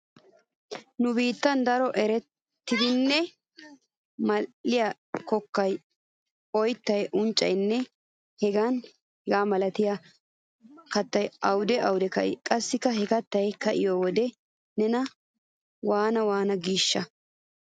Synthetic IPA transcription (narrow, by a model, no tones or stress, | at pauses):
nʊbiːt̪ːɐnd̪ɐɾɔʔɛɾɛt̪ːɪd̪ɪnːɛ | mɐːɪja | kɔkːɐj | ɔjt̪ːɐjʔʊnt͡ʃʼːɐ̰jnːɛ | hɛɡaːn | hɛɡaːmɐlɐt̪ɪja | kɐt̪ːɐjɐwd̪ɛɐwʊd̪ɛkɐ̰ʔɪ̰kʼɐsːɪkːɐɦɛkɐt̪ːɐjkɐʔɪjoːwɔd̪ɛ | nɛnɐ | waːnɐwaːnɐɡiːʃːɐ